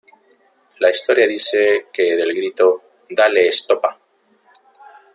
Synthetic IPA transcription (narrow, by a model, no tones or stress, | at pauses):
laist̪o̞ɾjaðiseke̞ðe̞lɣɾit̪o̞ | d̪aleːst̪o̞pa